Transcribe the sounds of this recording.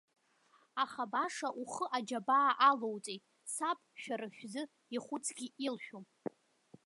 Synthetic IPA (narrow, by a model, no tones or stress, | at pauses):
aχabaʂaʔuχəʔad͡ʒabaːʔalowt͡sʼejtʼ | sapʼʃᶣaɾɨʃᶣzɨ | iχʷʊt͡sʰʼɡʲiilʃᶣu